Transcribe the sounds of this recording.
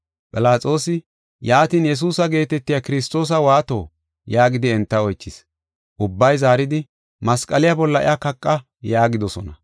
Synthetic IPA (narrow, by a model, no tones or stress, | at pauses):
pʼɪlaːt͡sʼo̞ːsɪ | jaːt̪iːnjɛs̬uːsɐɡe̞ːt̪ɛt̪ːɪjakɪɾɪst̪ːo̞ːs̬ɐwaːt̪o̞ː | jaːɡɪd̪ɪɛnt̪ːɐɔjt͡ʃːɪs | ʔʊbːɐjzaːɾɪd̪ɪ | mɐskʼɐlɪjabɔlːɐʔɪ̰ʔakɐkʼːɐ | jaːɡɪd̪ɔsɔnɐ